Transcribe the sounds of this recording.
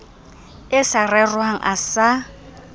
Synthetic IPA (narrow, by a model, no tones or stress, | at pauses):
ɪsarɛrwaŋ̩̰ʔa̰sa